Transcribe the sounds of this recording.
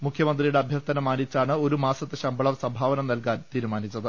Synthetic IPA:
mukʰjɐmɐnd̪rijuɽeɐbʱjɐrt̪ɐnɐmaːnːit͡ɕːaːɳɨo̞ɾumaːsɐt̪ːɨɕɐmbʱɐɭɐmsɐmbʱaːʋɐnɐmnɐlkaːnt̪iːɾumaːnit͡ɕːɐðɨ

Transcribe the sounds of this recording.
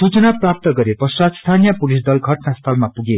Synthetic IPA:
sut͡sʌnaprap̚t̪ʌɡʌɾepʌswat̪st̪ʰanijʌpulis̬d̪ʌlɡʱʌʈnast̪ʰʌlmapuɡe

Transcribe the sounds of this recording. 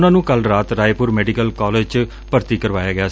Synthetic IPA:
nãːnũːkəlɾaːt̪ɾaːepʊɾmɛːɖikəlkɔːleːd͡ʒt͡ʃ | pəɾt̪iːkəɾʋaːjaːɡɪaː

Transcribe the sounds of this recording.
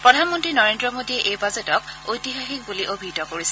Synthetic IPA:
pɹɔdʱanmɔntɹinɔɹendɹɔmodiɛʔejbazetɔk̚ojtiɦaxik̚buliʔobʱitɔkoɹisɛ̥

